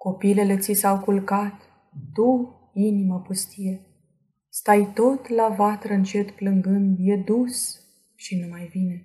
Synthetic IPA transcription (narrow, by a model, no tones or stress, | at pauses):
ko̞pile̞le̞t̪sisawkulkat̪ː | u | iniməpust̪ije̞ | st̪ajt̪o̞t̪lavat̪ɾəɨnt͡ʃe̞t̪plɨŋɡɨnd̪je̞d̪us | ʃinemajvine̞